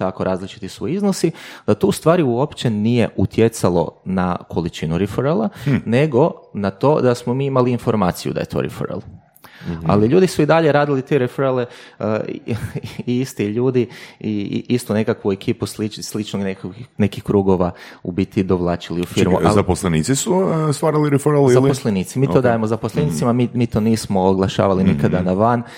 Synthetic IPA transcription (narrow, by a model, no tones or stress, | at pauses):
t̪ako̞ɾʔaːzlit͡ʃi̥t̪isuiznosid̪̥at̪ost̪ʋaːɾiuopt͡ʃe̞nijeʔut̪jet̪salo̞̰nakʰo̞lit͡ʃinuɾifoɾelˠane̞ɡo̞nat̪o̞ːd̪asmomiːimaliːnfoɾmaːt̪sijṵd̪a̰jet̪ʰo̰ɾḭfo̰ɾḛlˠ | a̰liʎuːd̪isuid̪aʎe̞ɾaːd̪ilit̪e̞ɾefoɾelḛ | iist̪iʎuːd̪iḭist̪une̞kakʋue̞kʰiːpuslit͡ʃslit͡ʃnoɡnekone̞kixkɾuːɡo̞ʋaubit̪id̪oʋlˠaːt͡ʃiliufiɾmṵʔalzaposleniːt̪sisust̪ʋaːɾaliɾefɾelzalposleniːt̪simiːt̪od̪aːjemozaposlˠenit̪simamimiːt̪o̞niːsmoːɡlˠaʃa̰ːʋalinikad̪anaʋan